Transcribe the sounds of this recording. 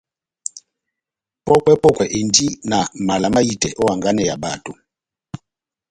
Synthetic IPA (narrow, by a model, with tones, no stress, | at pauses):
pɔ˦kwɛ˦pɔ˦kwɛ˨ʔe˨ndi˦na˨ma˨la˨ma˦i˦˨tɛ˨ʔɔ˦wa˨ŋɡa˦nɛ˦˨ja˨ba˨to˨